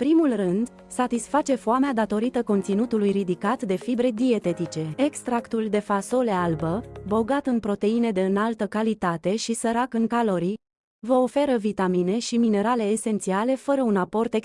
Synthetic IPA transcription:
pɾimulrɨnd̪ | sat̪isfat͡ʃe̞foamead̪at̪o̞ɾit̪əko̞nt̪sinut̪ulujɾid̪ikat̪d̪e̞fibɾe̞d̪ie̞t̪e̞t̪it͡ʃe̞ekst̪ɾakt̪uld̪e̞faso̞le̞albəbo̞ɡat̪ɨnpɾo̞t̪e̞ine̞d̪e̞ɨnalt̪əkalit̪at̪e̞ʃisəɾakɨŋkalo̞ɾi | vəo̞fe̞ɾəvit̪amine̞ʃimine̞ɾale̞ːse̞nt̪siale̞fəɾəunapo̞rt̪ek

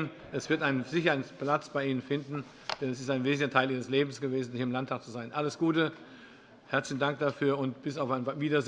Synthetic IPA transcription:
n | ʔɛsv̥ɪɐtaɪnənzɪçɐnplat͡sb̥aɪʔiːnənfɪndn̩ | d̥ɛnɛsɪstaɪnveːzn̩ɐtʰaɪliːʁ̞əsleːbm̩sɡ̥əveːzn̩hiːɐɪmlantʰaːk̚t͡suzaɪnʔaləsɡ̥uːtə | hɛɐt͡slɪçn̩daŋk̚d̥afyːɐʊntb̥ɪsaʊfaɪnanviːdɐz

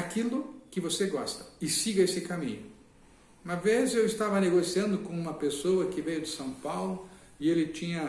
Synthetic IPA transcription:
akilʊkɪvoseɡɔst̪ɐ̥ɪsiɡɐesɪkamḭ̃ɲʊ | ũmɐvezewɪst̪avɐneɡosiɐ̃nd̪ʊkõũmɐpesowɐkɪvejʊd̪ɪsɐ̃w̃pawlʊ | ɪelɪt͡ʃĩɲɐ

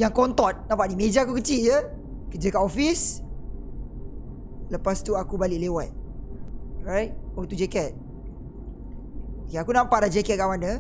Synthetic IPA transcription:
jaŋkɔnt̪ɔt̪̚nãmpaʔdimed͡ʒaakukət͡ʃiljə | kəd͡ʒəkaʔɔfis | ləpast̪uakubaliʔlewat̪̚ | ɹajt̚ɔt̪ud͡ʒɛkɛt̚ | akeakunãmpaʔlad͡ʒɛkɛt̚kamanə

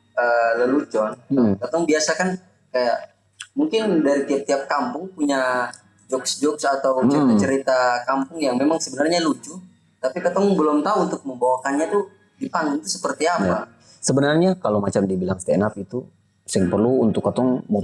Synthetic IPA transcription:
ələlut͡ʃɔn̩kat̪ɔŋbiasakan | kajaʔ | muŋkɪndaɾit̪iap̚t̪iap̚kampʊŋpuɲa | d͡ʒɔksd͡ʒɔksat̪awt͡ʃəit̪at͡ʃəɾit̪akampʊŋjaŋmemaŋsəbənarɲalut͡ʃu | t̪apikat̪ɔŋbəlʊmt̪aunt̪ʊk̚məmbawakanɲat̪u | dipaŋɪŋt̪usə̥pərt̪iapjaa | səbənarɲakalomat͡ʃamdibilaŋst̪ɛnapit̪u | sɪŋpərluunt̪ʊkːat̪ɔŋm

